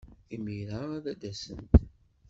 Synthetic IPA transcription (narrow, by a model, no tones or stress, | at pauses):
imiɾaæðæd̪æsənt̪